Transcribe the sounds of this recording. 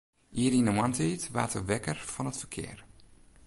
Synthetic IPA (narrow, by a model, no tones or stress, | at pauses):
ʔiəɾinəmantʰitʋa̰ːtəʋɛkərfɔnətfərkʰɪ̰ər